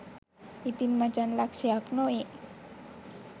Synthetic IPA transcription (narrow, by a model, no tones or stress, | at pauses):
it̪inmat͡ʃanlaksiaknoiʔ